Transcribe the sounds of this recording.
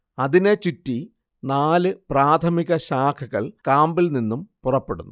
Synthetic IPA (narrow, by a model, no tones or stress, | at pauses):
ɐðinet͡ɕutːi | naːlɨpraːt̪ʰɐmiɣɐɕaːkʰɐɣɐɭkaːmbilninːumpurɐpːe̞ɽunːu